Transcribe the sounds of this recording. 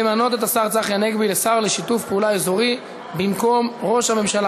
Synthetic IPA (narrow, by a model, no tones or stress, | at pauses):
emano̞t̪e̞t̪asaʁt͡saχjaneɡbilesaʁleʃit̪ufpeulaezoʁi | bimko̞mʁo̞ʃhame̞mʃala